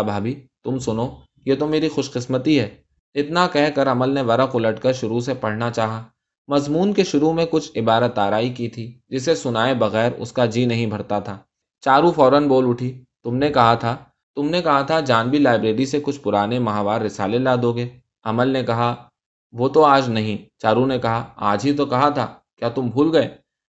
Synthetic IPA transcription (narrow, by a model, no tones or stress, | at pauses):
bʱaːbit̪ʊmsʊno | jet̪omeːɾixʊʃqɪsmət̪iɦɛː | ɪt̪nakɛɦkɐɾɐməlneʋɐɾəqʊləʈkəɾʃʊɾusepɐɽ̤nat͡ʃaːɦaː | mɐzmuːnkeʃʊɾumẽkʊt͡ʃʰɪbaːɾət̪ːaːɾaːikit̪ʰiːd͡ʒɪsesʊnaːebɐɣɛːɾʊ̰skad͡ʒiːnɐɦĩbʱɐɾt̪at̪ʰaː | t͡ʃaːɾufɔːɾənboːlʊʈʰiːt̪ʊmnekɐɦat̪ʰa | t̪ʊmnekɐɦat̪ʰad͡ʒaːnbʱilaːɪbɾeːɾisekʊt͡ʃʰpʊɾaːnemɐɦaːʋaːɾːɪsaːlelaːd̪oːɡeː | ɐməlnekɐɦa | ʋoːt̪oaːd͡ʒnɐɦĩt͡ʃaːɾunekɐɦaa̰ːd͡ʒɦit̪̬okɐɦat̪ʰaː | kjaːt̪ʊmbʱuːlɡɐeː